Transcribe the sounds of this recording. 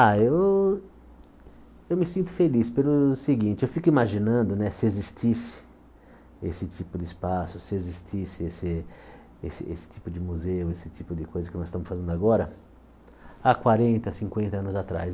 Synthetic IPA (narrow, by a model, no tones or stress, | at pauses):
aew | ewmɪsĩnt̪ʊ̥felispelʊseɡĩnt͡ʃɪewfikʊimaʒĩnɐ̃nd̪ʊnɛsɪezist̪isɪ̥ | esɪt̪ipʊd̪ɪspasʊsɪezist̪isɪesɪ | ḛsɪ̰ḛsɪ̥t͡ʃ̪ipʊd͡ʒɪmuzeʊesɪt͡ʃ̪ipʊd̪ɪkojzɐkɪnɔzst̪ɐ̃mʊsfazẽnd̪aɡɔɾɐ | akwaɾẽnt̪ɐsĩŋkwẽnt̪ɐɐ̃nʊzat̪ɾa̰s